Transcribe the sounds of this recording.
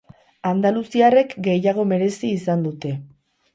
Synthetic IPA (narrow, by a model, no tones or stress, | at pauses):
and̪alusiare̞kɡe̞jaɣ̞o̞me̞ɾe̞siːsand̪ut̪e̞